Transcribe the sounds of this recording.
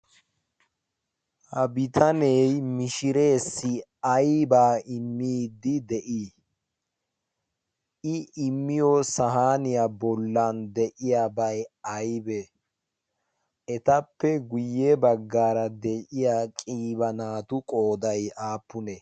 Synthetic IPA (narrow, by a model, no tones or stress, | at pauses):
hɐbɪt̪ʰɐnejmɪʃɪɾe̞ːsːɪɐjbaːɪmːiːd̪ːɪd̪ɛʔiː | ɪɪmːɪjosɐɦaːnɪjabɔlːand̪ɛʔɪjaːbɐjɐjbɛ | ɛt̪ɐpːɛɡʊjːebɐɡːaːɾɐd̪ɛʔɪjaːkʼiːbɐnaːt̪ʊkʼo̞ːd̪ɐjaːpːʊnɛ